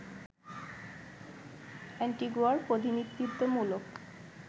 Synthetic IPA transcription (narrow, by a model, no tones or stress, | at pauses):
ɛɳʈiɡaɾpod̪ʱinit̪ːɾit̪ːomulok